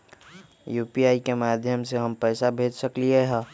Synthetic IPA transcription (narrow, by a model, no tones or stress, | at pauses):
juːpiaːikemaːd̪ʱjəmseɦəmpɛːsabʱeːd͡ʒsəklieɦɛ̃